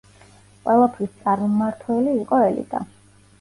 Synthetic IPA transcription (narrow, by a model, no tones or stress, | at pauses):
qʼwɛlˠapʰɾist̪sʼaɾmaɾt̪ʰwɛliːqʼɔɛlḭd̪̥a̰